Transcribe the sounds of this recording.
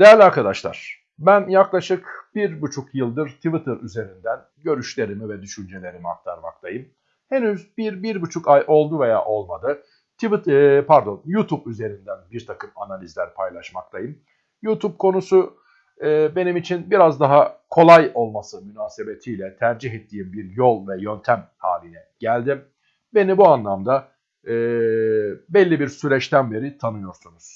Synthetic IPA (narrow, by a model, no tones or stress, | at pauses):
d̪ejæɾlʲiaɾkʰad̪aʃlˠa̰ɾ̥ | bænjaklˠaʃɯkb̥iɾbut͡ʃʰukjɯlˠd̪ɯɾt̪ʰivit̪ʰɯɾyze̞ɾind̪æn | ɟø̞ɾyʃlʲe̞ɾimivɛd̪yʃynd͡ʒe̞lʲe̞ɾimia̰k̚t̪ʰaɾma̰kt̪ʰˠajɯm | he̞nyzbiɾbiɾbut͡ʃʰukajʔo̞lˠd̪uve̞ja̰ːʔo̞lˠmad̪ɯ | t̪ʰivpʰæɾd̪o̞njut̪ʰupyze̞ɾind̪ænbiɾt̪ʰakɯmanalʲizlʲæɾpʰajlˠaʃmakt̪ʰˠajɯm | juːt̪ʰup̚kʰo̞nusʊ | ɯːbe̞nimit͡ʃʰinbiɾazd̪aɦakʰo̞lˠajo̞lˠmasɯmynaːse̞be̞t̪ʰijlʲɛt̪ʰæɾd͡ʒiɦɛt̪ʰːiːimbiɾjo̞lˠvɛjø̞nt̪ʰæmha̰ːlʲinɛɟ̥ælʲd̪im | be̞nibuanlˠamd̪a | ɯː | bɛlʲːibiɾsyɾɛt͡ʃt̪ʰænbe̞ɾit̪ʰanɯjo̞ɾsunuz̥